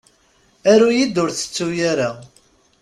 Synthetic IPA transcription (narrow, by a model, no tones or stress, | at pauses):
æɾujid̪ʊɾθə̥t͡sːujaɾa